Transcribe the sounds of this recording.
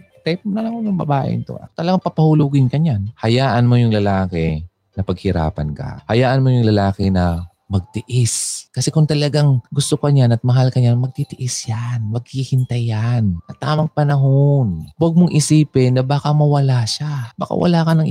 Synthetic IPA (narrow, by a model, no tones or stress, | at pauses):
t̪ɛp̚onɐlɐŋoj̪ʊŋbɐ̰baːʔɪ̰nt̪o̰ʔa̰t̪ɐlɐɡaŋpɐpɐhʊlʊɡɪnkɐɲanhɐjaːʔɐnmojʊŋlɐlaːkɛ | nɐpɐɡ̚hɪɾa̰ːpɐ̰nka̰hɐjaːʔɐnmojʊŋlɐlaːkɪnɐ | mɐɡ̚t̪ɪʔɪskɐsɛkʊŋt̪ɐlɐɡaŋɡʊst̪okɐɲanɐt̪̚mɐɦalkɐɲanmɐɡ̚t̪it̪ɪʔɪsjanmɐɡ̚hihɪnt̪ɐjanɐt̪aːmɐŋpɐnɐɦonwɐɡ̚moŋʔɪsiːpɪnːɐbaːkɐmɐwɐlaʃamɐ̰ka̰wɐ̰laːkɐnɐŋ